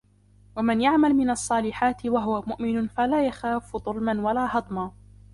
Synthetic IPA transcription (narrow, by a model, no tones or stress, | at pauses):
wamɪnjaʕmalmɪnɑsˤːɑːlɪħaːt̪ɪwaɦʊwamʊʔmɪnʊnfalaːjaxaːfd̪ˤʊlmanwalaːhɑd̪ˤmaː